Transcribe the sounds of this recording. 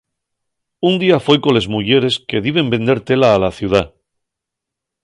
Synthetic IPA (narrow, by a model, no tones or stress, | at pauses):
und̪iafwe̞jko̞le̞zmuʝe̞ɾe̞ske̞ðiβe̞mbe̞nd̪e̞ɾt̪e̞laːlaθjuð̞a